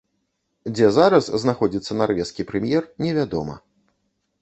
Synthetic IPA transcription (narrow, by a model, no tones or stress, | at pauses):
d͡zʲɛzaɾɐsznaxɔd͡zʲit̪sːɐnarvʲɛskʲipɾɛmʲjɛrnʲɛvʲad̪ɔmɐ̰